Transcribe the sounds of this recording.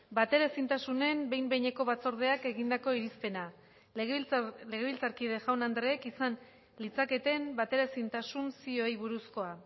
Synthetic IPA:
bat̪e̞ɾasint̪asune̞mbe̞jmbejɲe̞ko̞βat͡so̞ɾð̞e̞ake̞ɣind̪ako̞iɾispe̞na | ɣle̞ɣ̞e̞βilt͡saɾkiðe̞ʝawnand̪ɾeːkisan | lit͡sake̞t̪e̞mbat̪e̞ɾasint̪asunsio̞jβuɾusko̞a

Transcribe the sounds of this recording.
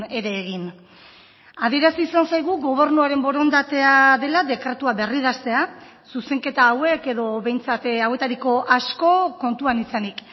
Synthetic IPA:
e̞ɾe̞ːɣ̞in | aðie̞ɾasisansajɣ̞uɣo̞β̞e̞ɾnuaɾe̞mbo̞ɾo̞nd̪at̪e̞aðe̞laðe̞kɾe̞t̪uaβe̞riðast̪e̞a | suse̞ŋke̞t̪aːwe̞ke̞ðo̞βe̞jnt͡sat̪awe̞t̪aɾiko̞ʔasko̞ko̞nt̪uanisanik

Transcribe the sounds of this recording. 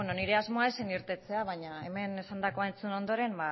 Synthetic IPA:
eno̞niɾe̞azmo̞aeseniɾt̪e̞t͡se̞aβaɲae̞̰me̞ne̞sand̪ako̞aent͡suno̞nd̪o̞ɾe̞mba

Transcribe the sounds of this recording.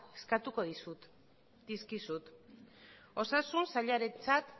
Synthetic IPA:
e̥skat̪uko̞ðisu | d̪iskisut̪ | o̞sasunsaʎaɾet͡sat̪

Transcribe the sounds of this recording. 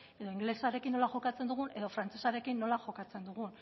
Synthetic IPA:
e̞ðoiŋɡle̞saɾekinːo̞laʝo̞kat͡se̞nd̪uɣ̞une̞ðo̞fɾant͡se̞saɾe̞kinːo̞laʝo̞kat͡se̞nd̪uɣun

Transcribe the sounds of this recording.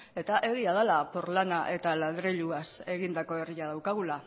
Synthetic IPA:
e̞t̪aʔe̞ɣ̞iaðalapo̞ɾlanaʔe̞t̪alaðɾeʎuase̞ɣind̪ako̞e̞riað̞awkaɣ̞ula

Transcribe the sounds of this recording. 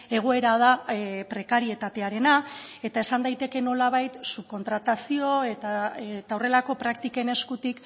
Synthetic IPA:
e̞ɣ̞o̞e̞ɾað̞apɾe̞kaɾie̞t̪at̪e̞aɾe̞nae̞t̪ae̞sand̪ajt̪e̞ke̞no̞laβ̞ajt̪suko̞nt̪ɾat̪asio̞e̞t̪at̪aore̞lako̞pɾakt̪ike̞ne̞skut̪ik

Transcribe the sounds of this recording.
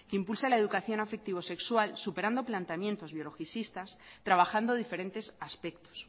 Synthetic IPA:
keimpulsalae̞ðukaθjo̞nafe̞k̚t̪iβo̞se̞kswalsupeɾand̪o̞plant̪amjẽ̞nt̪o̞zβjo̞lo̞xiθist̪ast̪ɾaβ̞axand̪oðife̞ɾent̪e̞saspe̞k̚t̪o̥s

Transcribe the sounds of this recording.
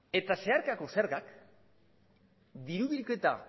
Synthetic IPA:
e̞t̪ase̞aɾkako̞seɾɣak | d̪iɾuβilke̞t̪a̰

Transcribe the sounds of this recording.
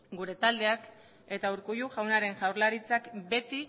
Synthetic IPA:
ɡuɾe̞t̪ald̪e̞ak | e̞t̪auɾkujuʝawnaɾe̞ŋʝawɾlaɾit͡sakbe̞t̪i

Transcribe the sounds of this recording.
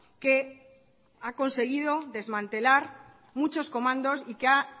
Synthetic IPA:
ke̞ | ako̞nse̞ɣ̞ið̞o̞ðe̞zmãnt̪e̞laɾ | mut͡ʃo̞sko̞mãnd̪o̞sikea

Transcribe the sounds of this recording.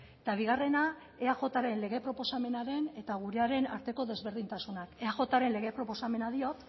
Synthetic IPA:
t̪aβ̞iɣ̞are̞na | e̞aʝo̞t̪aɾe̞nle̞ɣe̞pɾo̞po̞same̞naɾe̞ne̞t̪aɣ̞uɾe̞aɾe̞na̰ɾt̪e̞ko̞ðe̞zβe̞ɾðint̪asunakeaxo̞t̪aɾe̞nle̞ɣe̞pɾo̞po̞same̞naðio̞t̪

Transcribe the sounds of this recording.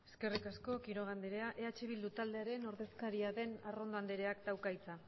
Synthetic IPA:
e̞ske̞rikasko̞kiɾo̞ɣ̞and̪eɾe̞aʔe̞at͡ʃe̞β̞ild̪ut̪ald̪eaɾe̞no̞ɾðe̞skaɾiaðe̞naro̞nd̪oand̪eɾe̞akd̪awkajt͡sa

